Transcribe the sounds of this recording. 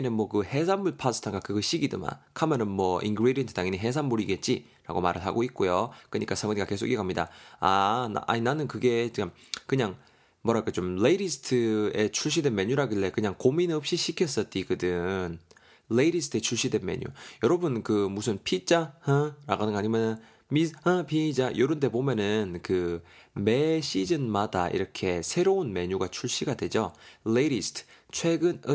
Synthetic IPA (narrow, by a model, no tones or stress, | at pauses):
nɯnmwʌkɯhe̞sʰanmuɭpʰasʰɯ̥tʰaŋɡakɯɡɯɕ͈iɡidɯ̰ma̰kʰamʌnɯnmwʌinɡɯɾedientʰɯ̥daŋinɯnɦe̞s̬ʰanmuɾiɡe̞t̚t͡ɕ͈i | ɾa̰ɡoma̰ɾɯɭɦa̰ɡoit̚k͈ojok͈ɯɲik͈asʰamɯɲiɡake̞sʰoɡikamɲida̰ana̰ʔa̰ɲinanɯnkɯɡe̞t͡ɕiam | kɯɲaŋ | mʌɾakat͡ɕomleiɾisʰɯ̥tʰɯe̞t͡ɕʰuɭɕ̬ʰidwe̞nmeɲuɾaɡiɭːe̞kɯɲaŋkominɯʌp̚ɕ͈iɕʰikʰjʌs͈ʌt̚t͈ikɯdɯn | leɾisʰɯ̥tʰe̞t͡ɕʰuɭɕ͈idwe̞nme̞̰ɲṵjʌɾʌbɯnkɯmusʰɯnpʰit͡ɕ͈ahaɾa̰ɡanɯŋaɲimjʌnɯn | mihapʰid͡ʑajoɾɯnde̞bomjʌnɯnkɯ | me̞ɕid͡ʑɯnmada̰ḭɾʌkʰe̞sʰe̞ɾounme̞ɲuɡat͡ɕʰuɭɕ͈iɡadwe̞d͡ʑoleɾisʰtʰt͡ɕʰwe̞ɡɯnɯ